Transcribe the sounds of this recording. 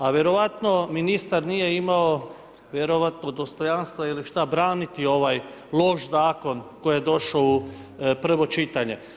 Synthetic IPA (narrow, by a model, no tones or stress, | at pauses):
aʋje̞ɾo̞ʋat̪no̞minist̪aɾnije̞imao̞ | ʋje̞ɾoʋat̪nod̪o̞st̪o̞janst̪ʋailiʃt̪abɾaːnit̪io̞ʋaj | lˠo̞ʃzaːko̞nko̞jijed̪o̞ʃaoupr̩ʋo̞t͡ʃit̪aɲe̞